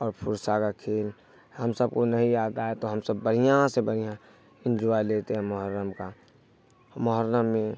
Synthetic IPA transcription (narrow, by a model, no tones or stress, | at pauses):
ɔːɾpʰʊɾsakakʰeːl | ɦəmsəb̚konəɦĩjaːd̪aːet̪oɦəmsəbːəɽ̤ijãsebəɽ̤ijã | ɪ̃nd͡ʒuaileːt̪eɦɛ̃məɦəɾːəmka | məɦəɾːəmːẽ